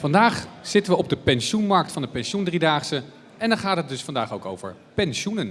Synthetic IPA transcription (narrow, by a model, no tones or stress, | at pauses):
fɑndaːχz̥ɪtənʋəɔb̚dəpɛnʃunmɑɹk̚tfɑndəpɛnʃundridaːχsə | ɛndɑχaːtɦət̚dɵsfɑndaːχowko̰wvə̰ɹ | pɛnʃunən